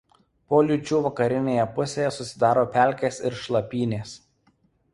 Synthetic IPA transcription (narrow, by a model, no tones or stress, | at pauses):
poːlʲʊt͡ʃʲuːʋɐkɐɾʲɪnʲeːjɛpʊsʲeːjɛsʊsʲɪd̪ɑːɾoːpʲæˑlʲkʲeːsɪɾʃlˠɐpʲiːnʲeːs